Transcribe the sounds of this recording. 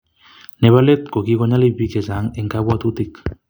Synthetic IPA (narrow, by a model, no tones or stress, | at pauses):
neβalet̪̚kokiɣoɲalibikesaŋeŋkaβwat̪ut̪ik